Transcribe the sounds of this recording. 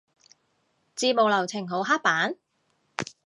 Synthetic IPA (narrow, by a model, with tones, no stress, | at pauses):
t͡siː˧mo˨wlɐ˨˩wt͡sʰɪ˨˩ŋɦo˨˧˥wɦaː˥k̚paː˨˥n